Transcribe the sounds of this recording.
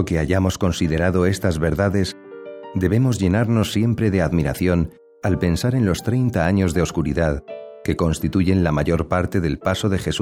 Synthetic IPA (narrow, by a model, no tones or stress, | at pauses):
oke̞aʝamo̞sko̞nsiðe̞ɾaðo̞e̞st̪azβe̞ɾðaðe̞s | d̪e̞βe̞mo̞zʝe̞naɾno̞sːje̞mpɾe̞ðe̞aðmiɾaθjo̞n | alpe̞nsaɾe̞nlo̞st̪ɾe̞jnt̪aaɲo̞zðe̞o̞skuɾḭðaðke̞ko̞nst̪it̪uʝe̞nlamaʝo̞ɾpaɾt̪e̞ðe̞lpaso̞ðe̞xe̞su